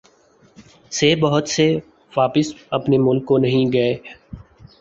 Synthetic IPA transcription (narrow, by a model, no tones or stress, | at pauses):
sebɐɦʊt̪se | ʋaːpɪsɐpnemʊlkːonɐɦĩɡɐeː